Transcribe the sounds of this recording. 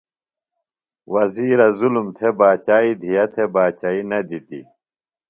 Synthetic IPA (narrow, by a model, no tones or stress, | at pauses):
wɐziːɾɐzulumt̪ʰebaːt͡ɕaːid̪ʱijɐt̪ʰebaːt͡ɕaːinɐd̪it̪ḭ